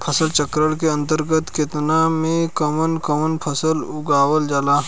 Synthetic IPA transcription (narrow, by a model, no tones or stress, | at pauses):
pʰɐsəlt͡ʃəkɾəɽkeɐ̃nt̪əɾɡət̪ket̪namẽkɐmənkɐmənpʰɐsəlʊɡaːʋəld͡ʒaːlaː